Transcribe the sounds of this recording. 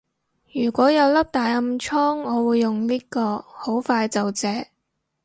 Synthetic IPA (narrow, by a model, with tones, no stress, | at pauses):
jyː˨˩kʷɔː˨˥jɐ˨˧wlɐ˥p̚t̪aː˨˧jɐ˨˧mt͡ʃʰɔː˥ŋɔː˨˧wuː˨˧jːʊ˨ŋliː˥kɔː˧ho˨˥wfaː˧jt͡sɐ˨wt͡sɛː˨˥